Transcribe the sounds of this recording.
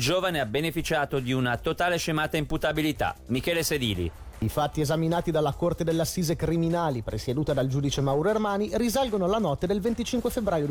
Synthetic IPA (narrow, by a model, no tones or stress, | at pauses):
d͡ʒoːvaneabenefit͡ʃaːt̪od̪iunat̪ot̪aːleʃemaːt̪aimput̪abilit̪a̰mikɛːlesed̪ḭːlḭ | ifat̪ːiezaminaːt̪id̪alːakort̪ed̪elːeasːiːzekɾiminaːlipɾʔḛsed̪uːt̪ad̪ald͡ʒuːd̪it͡ʃemawɾoermaːnirizalɡonolanɔt̪ːed̪elvent̪it͡ʃiŋkwefebɾaːjo